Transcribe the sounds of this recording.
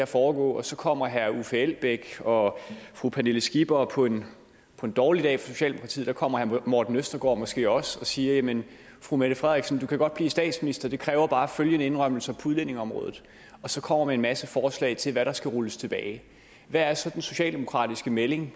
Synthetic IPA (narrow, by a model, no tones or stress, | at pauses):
æfɒːɡ̥ɔ̰̽ːɒ̽sɒ̽kʰɒ̽m̰ɐɦæɐufeel̰b̥eɡ̥ɒ̽fʁupʰæneləsɡ̥ib̥ɐpʰɒ̽e̝n | pʰɒ̽e̝nd̥ɒːlid̥ɛ̰ːfʁɑso̝ɕɛ̰ːldemo̥kʰʁɑt͡sʰḭːð̩ˠd̥ɑ̈kʰɒ̽m̰ɐhæɐmɒd̥n̩øsd̥ɐɡ̥ɒ̰ːmɒ̽sɡ̥e̝̰ːɒ̽sɒ̽siːɐjæmən | fʁumeɾ̥əfʁɛðˠiɡ̥sɒnd̥ukʰæɡ̥ɒ̽d̥̚b̥lḭːsd̥ɛ̰ːd̥sminisd̥ɐd̥e̝kʰʁɛːʊɐb̥ɑ̈ːføljənəe̝nʁɶm̰l̩səpʰuðˠlene̝ŋɒ̽mʁɔ̽ːðˠð̩ˠ | ɒ̽sɒ̽kʰɒ̽m̰ɐmeenmæsəfɒːslɛ̰ɪt͡sʰe̝lʋæɾɑ̈sɡ̥æʁuləst͡sʰe̝b̥ɛːɪ | ʋææɐsɒ̽d̥enso̝ɕɛ̰ːld̥emo̝kʰʁɑ̰̈ːd̥isɡ̥əmele̝ŋ